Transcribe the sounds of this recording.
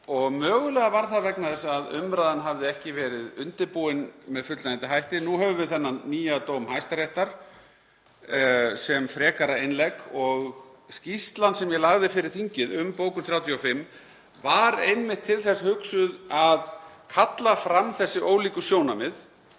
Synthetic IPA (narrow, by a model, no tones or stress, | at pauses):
ɔɣmœːɣʏlɛɣavaɾ̥θavɛknaðɛsaðʏ̰mɾaːðanɦavðɪɛhcɪvɛːɾɪðʏnt̪ɪɾpuːɪnmɛðfʏt̪laɪnt̪ɪɦajht̪ɪnuɦɛvʏvɪðθɛnːaniːjat̪oːwmhajst̪aɾejht̪aɾ̥ | sɛmfɾɛːkaɾaɪnlɛkɔɣ | scist̪lansɛmjɛlaɣðɪfɪɾɪɾ̥θiɲcɪðʏmpoːwkʏθɾjaːwt̪ʰiɔfɪmː | vaɾejnmɪht̪ʰɪlθɛsːahʏksʏðaðkʰat̪lafɾamθɛsːɪʔoːwliːkʏsjoːwnamɪð